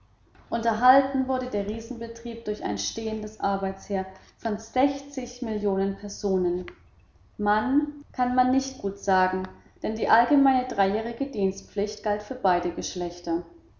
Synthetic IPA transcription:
ʔʊntɐɦaltn̩vʊɐɾədeːɐʁiːzn̩bətʁ̥iːp̚d̥ʊɐça̰ɪnʃteːəndəsʔaɐbaɪt͡sheːɐfɔnz̥ɛçt͡sɪçmɪljoːnənpʰɛɐzoːnən | mankʰanmanːɪçt̚ɡ̥uːtz̥aːɡŋ̩ | d̥ɛndiːʔalɡəmaɪnədʁaɪjɛːʁ̞ɪɡədiːnstpp͡flɪçtɡ̥altfyːɐbaɪdəɡəʃlɛçtɐ

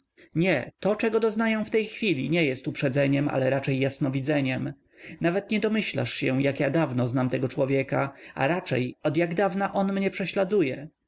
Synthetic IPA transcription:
ɲɛt̪ɔt͡ʂɛɡɔd̪ɔznajɛ̃ft̪ɛjxfʲilʲiɲɛjɛst̪upʂɛd̪zɛɲɛma̰lɛɾat͡ʂɛjːasnɔvʲid̪zɛɲɛm | navɛt̪ɲɛd̪ɔmɘɕla̰ʂɕɛw̃jakjad̪avnɔznamt̪ɛɡɔt͡ʂwɔvʲjɛkaa̰ɾat͡ʂɛ̰jɔd̪jaɡd̪avnaʔɔnmɲɛpʂɛɕlad̪ujɛ

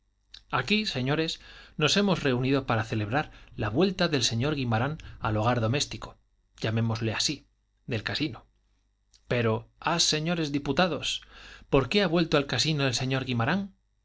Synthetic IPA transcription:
akise̞ɲo̞ɾe̞sno̞se̞mo̞sre̞uniðo̞paɾaθe̞le̞β̞ɾaɾlaβwe̞lt̪aðe̞lse̞ɲo̞ɾɣimaɾanalo̞ɣ̞aɾðo̞me̞st̪iko | ʝamẽ̞mo̞zle̞asi | ðe̞lkasino | pe̞ɾo̞asːe̞ɲo̞ɾe̞zðiput̪aðo̞spo̞ɾke̞aβwe̞lt̪oalkasinoðe̞lse̞ɲo̞ɾɣimaɾaŋ

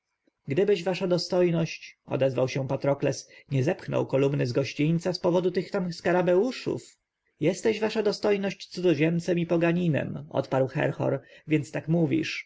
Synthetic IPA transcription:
ɡd̪ɘbɘʑvaʂad̪ɔst̪ɔjnɔɕt͡ɕɔ̰d̪ɛzvawɕɛ̃pat̪ɾɔklɛsɲɛzɛpxnɔ̰wkɔlumnɘzɡɔɕt͡ɕiɲt̪saspɔvɔd̪ut̪ɘxt̪amskaɾabɛwuʂṵf | jɛst̪ɛʑvaʂad̪ɔst̪ɔjnɔɕt͡ɕt̪sud̪ɔʑɛnt̪sɛmipɔɡaɲinɛ̰mɔ̰t̪paɾwxɛ̰ɾxɔ̰ɾvʲjɛnt̪st̪akmuvʲḭʂ

